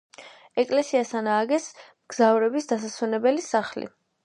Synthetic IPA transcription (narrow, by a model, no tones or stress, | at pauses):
ɛkʼlɛsiasanaːɡɛsmɡ̥zavɾɛbisd̪asaswɛnɛbɛlisaχlḭ